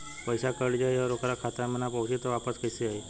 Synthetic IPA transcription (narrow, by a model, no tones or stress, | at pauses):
pəjsakəɽd͡ʑajaɾokɾakʰat̪amənapəwsit̪əʋapət͡skəjseai